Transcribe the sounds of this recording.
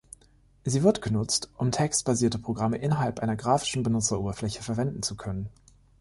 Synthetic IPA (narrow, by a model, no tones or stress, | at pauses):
ziːvɪɐtɡ̥ənʊt͡stʔʊmtʰɛkstb̥aziːɐtəpʁ̥oɡʁaməʔɪnɐɦalpʔaɪnɐɡʁaːfɪ̥ʃn̩bənʊt͡sɐʔoːbɐflɛçəfɛɐvɛndn̩t͡sukʰœnən